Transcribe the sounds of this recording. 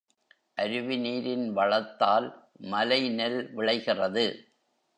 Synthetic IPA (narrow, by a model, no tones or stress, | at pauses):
ʔɐɾɯʋɪniːɾɪnʋɐɭɐt̪ːaːl | mɐlɐɪnɛlʋɪɭɐɪɣɪrɐðɯ